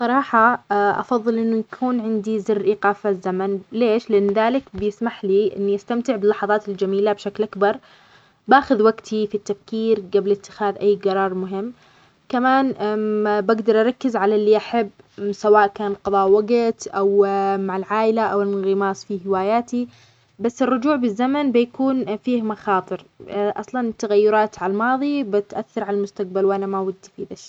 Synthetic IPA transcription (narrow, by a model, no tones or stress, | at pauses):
sˤɑɾˤɑːħɑʔɑ̰fɑðˤːɨlʔɪnːujakʰuːnʕɪnd̪izɪrːʔiːqaːfazːamanleːʃlɪʔanːðaːlɪkbɪjɪsmaħliʔɪ̰nːiʔast̪amt̪ɪʕbɪlːɑħɑðˤɑːt̪ɪld͡ʒamiːlabʃaklʔakbɑɾˤ | baːxʊðwaɡt̪ʰifit̪ːafkiːɾɡablɪt̪ːɪ̥xaːðʔajːɡɑɾˤɑːɾˤmʊɦɪmː | kamaːn | baɡd̪ɑɾˤʔɑɾˤɑkːɪzʕalalːiʔaħabː | sawaːʔkaːnqɑðˤɑːʔwaɡɪt̪ʔawmaʕɪlʕaːʔɪlaʔawɪlɣɪmɑːsˤfihɪwaːjaːt̪i | basːɪrːʊd͡ʒuːʕbɪzːamanbɪjakuːnfiːhmɑxɑːt̪ˤɨɾʔɑsˤlɑnt̪ːaɣajːʊɾˤɑːt̪ʕalmɑːðˤibɪt̪ʔaθːɑɾˤʕalalmʊst̪aq̚balwʔanamawad̪ːfiːðaʃ